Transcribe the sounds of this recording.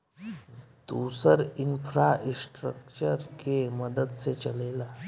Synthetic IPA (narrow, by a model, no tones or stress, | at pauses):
t̪usəɾinfɾaisʈɾəkt͡ɕəɾkeməd̪əd̪t͡set͡ɕəlela